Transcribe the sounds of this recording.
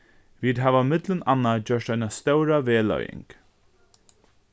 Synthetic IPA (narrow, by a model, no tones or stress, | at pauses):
viːd̪ɦaːvamɪt̪lənanːad͡ʒœʂt̪ajnast̪œwɾaveːlœ̰jɪ̰ŋk